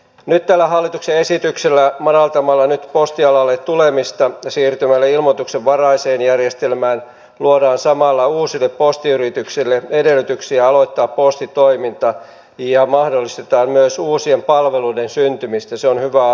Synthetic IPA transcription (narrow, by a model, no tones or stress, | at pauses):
nyt̪t̪ælːæɦɑlːit̪ukseesit̪ykselːæmɑɾɑlt̪ɑmɑlːɑnyt̪post̪iɑlɑlːet̪t̪ulemist̪ɑsiːrt̪ymælːæilmot̪ukseʋʋɑrɑiseːnjærjest̪elmæːn | luodɑːnsɑmɑlːɑuːsilːeppost̪iyɾit̪yksilːeedelːˑyt̪yksiæɑlot̪ːɑːppost̪it̪oimint̪ɑ | jɑmɑhdolːist̪et̪ɑːmmyøsuːsiempɑlʋeluidensynt̪ymist̪æseonhyʋæ